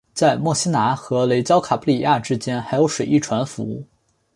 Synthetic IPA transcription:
t͡sa˥˧ɪmwɔ˥˩ɕi˥na˧˥xɤ˧˥le˧˥ɪt͡ɕjɑ˥ʊkʰa˨˩pʰu˥li˨˩ja˥˩ʈ͡ʂɻ̩˥t͡ɕjɛ˥nxa˧˥ɪjo˧˥ʊʂwe˨˩ɪʔi˥˩ʈ͡ʂʰwa˧˥nfu˧˥u˥˩

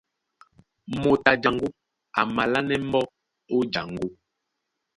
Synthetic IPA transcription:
mo˨ta˨d͡ʒa˨ŋɡu˦ | a˨ma˨la˦nɛ˦m˦bɔ˦ | o˦d͡ʒa˨ŋɡu˦

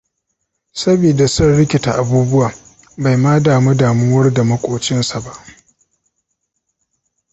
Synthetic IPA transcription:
sɐ˦biː˨da˨sɐ˦nɽɪ˦kʲɪ˨ta˨ʔa˨buː˦bʊ˦waː˨ | ba˨jmaː˦daː˨mu˦daː˨mʊ˦wɐ˦rda˨mɐ˦kʷʼoː˨t͡ʃɪ˦nsa˨ba˦ʔ

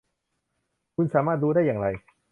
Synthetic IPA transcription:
kʰu˧nsaː˩˦maː˥˩t̪̚duː˧daː˥˩jːaː˨˩ŋɾa˧j

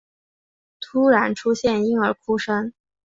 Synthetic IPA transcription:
t̪ʰu˥ɻa˧˥nʈ͡ʂʰu˥ɕjɛ˥˩ni˥ŋə˞˧˥kʰu˥ʂə˥ŋ

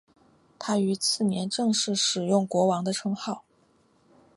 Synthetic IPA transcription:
t̪ʰa˥y˧˥t͡sʰɹ̩˥˩njɛ˧˥nʈ͡ʂɤ˥˧ŋʂɻ̩˥˩ʂɻ̩˨˩jʊ˥˩ŋkwɔ˧˥wɑ˧˥ŋd̪ə˧ʈ͡ʂʰɤ˥ŋxɑ˥˩ʊ

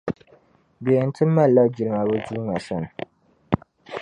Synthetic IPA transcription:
be˨n̩˦tɨ˦mː˦a˦˨la˦d͡ʒi˨lɨ˨ŋa˨bʊ˦d͡ʒuː˦ŋa˨sa˦nɨ˨

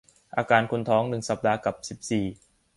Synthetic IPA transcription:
ʔaː˧kaː˧nkʰu˧nt̪ʰɔː˦˥ŋnɯ˨˩ŋsa˨˩p̚daː˧ka˨˩p̚si˨˩p̚siː˨˩

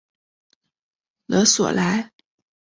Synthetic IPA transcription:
lɤ˧˥swɔ̰˨˩la˧˥ɪ

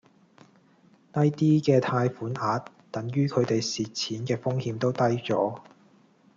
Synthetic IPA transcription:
t̪ɐ˥jt̪iː˥kɛː˧t̪ʰaː˧jfuː˨˥nʔaː˨˧t | t̪ɐ˨˥ŋjyː˥kʰɵ˨˧t̪e˨jsiː˨t̚t͡sʰiː˨˥nkɛː˧fʊ˥ŋhiː˧mt̪o˥wt̪ɐ˥jt͡sɔ̰ː˨˥

